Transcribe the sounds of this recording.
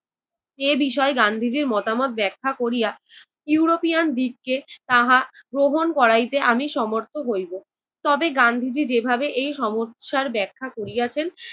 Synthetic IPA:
ebiʃɔeɡand̪ʱid͡ʑiɾmɔt̪amɔt̪̚bɛkʰːakoɾija | juuɾopijand̪ik̚ːet̪aɦaɡɾoɦonkɔɾajt̪eʔamiʃɔmoɾt̪ʰoɦojbo | t̪ɔbeɡand̪ʱid͡ʑid͡ʑebʱabeʔejʃɔmoʃaɾbɛkʰːakoɾijat͡ɕʰen

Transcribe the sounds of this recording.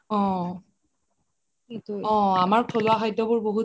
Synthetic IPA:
ɔ̃ | etɔ̃amaɹpʰolʊaxɔjdɔbʊɹboɦu

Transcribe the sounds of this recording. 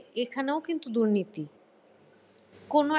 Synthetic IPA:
ekʰaneokint̪ud̪uɾnit̪i | kono

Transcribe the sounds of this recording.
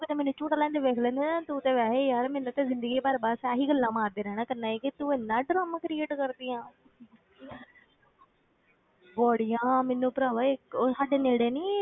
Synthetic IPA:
okɪd̪eːmeːnũːt͡ʃũːʈːlɛ̃ːnd̪eːʋeːkʰlɛ̃ːnd̪eːnãt̪uːt̪eːʋɛːɦeːjaːɾmeːnũːt̪ezɪ̃nd̪əɡiːbaːɾbaːsaːɦiːɡəlːãːmãːɾd̪eːɾɛːɽ̃ãːkənːãːeːkɪt̪ueːnːãːɖɾaːmãːkɾɪeːʈkəɾd̪ɪːjãː | bɔːɽɪjãːmenũːpɾaːʋaɪkːsaːɖeːneːɽeːniː

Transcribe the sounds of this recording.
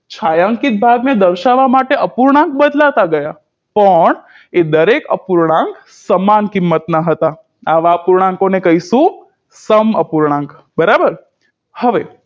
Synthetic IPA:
t͡ʃʰajaŋkit̪̚bʱaɡned̪əɾʃaʋamaʈeəpuɾɳãŋk̚bəd̪lat̪aɡəja | pəɳ | ed̪əɾekə̰puɾɳ̃ãŋk | səmankimːət̪naɦət̪a | aʋaəpuɾɳ̃ãŋkonekəɦiʃũ | səməpuɾɳ̃ãŋk | bəɾabəɾ | həʋe

